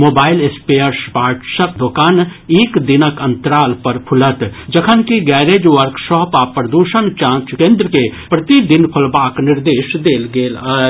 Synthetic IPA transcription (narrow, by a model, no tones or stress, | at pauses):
moːbaːɪlespejəɾspaːɾʈsək̪̚d̪oːkaːneːkd̪inəkə̃nt̪ɾaːlpəɾpʰʊlət̪d͡ʒɐkʰənkiɡɛːɾed͡ʒʋəɾkʃɔːpaːpɾəd̪uʃənt͡ʃãːt͡ʃkẽːnd̪ɾəkepɾɐt̪id̪ɪnpʰɐlbaːknɪɾd̪eːʃd̪eːlɡeːla